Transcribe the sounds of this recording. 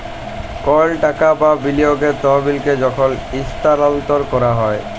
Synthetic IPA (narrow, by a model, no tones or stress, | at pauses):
kɔlʈakababilioɡet̪ɔɦbilked͡ʑɔkʰɔlist̪alɔnt̪ɔɾkɔɾaɦɔe